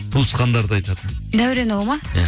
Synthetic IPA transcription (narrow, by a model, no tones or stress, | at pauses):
t̪ʰusqɑnd̪ɑɾd̪əɑjt̪ɑd̪əd̪æwɾenɑwmɑ